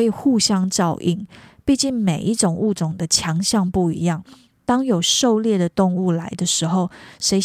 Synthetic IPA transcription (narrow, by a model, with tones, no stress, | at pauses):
e˥ɪxu˥˨˧ɕjɑ˥ŋʈ͡ʂɑ˥˧ʊʔḭ˥˩ŋpi˥˧t͡ɕi˥˩nme˨˩ɪʔi˥˩ʈ͡ʂʊ˨˩ŋu˥˩ʈ͡ʂʊ˨˩ŋd̪ə˦t͡ɕʰjɑ˧˥ŋɕjɑ˥˧ŋpu˥˩ḭ˧˥jɑ˥˩ŋ | t̪ɑ˥ŋjo˨˩ʊʂo˥˧ʊljɛ˥˩d̪ə˩t̪ʊ˥˧ŋu˥˩la˧˥ɪd̪ə˧ʂɻ̩˧˥xo˥˩ʊʂe˧˥ɪ